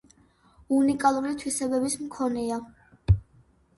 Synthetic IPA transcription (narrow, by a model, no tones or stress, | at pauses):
unikʼalˠuɾit̪ʰwisɛbɛbismkʰɔnɛa